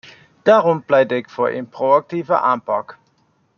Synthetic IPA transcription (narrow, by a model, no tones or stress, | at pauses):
d̥aːʁɔmplɛjdɪkfoːɹʔɪ̰nproɑk̚tiːvə̰ʔaːnpɑk